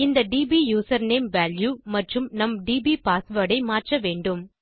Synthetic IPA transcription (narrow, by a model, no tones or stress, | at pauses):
ɪnd̪ɐɖiːbijuːsɐɾneːmʋaːljumɐʈrɯmnɐmɖiːbiːpaːsʋɐːɽɐɪmaːʈrɐʋeːɳɖɯm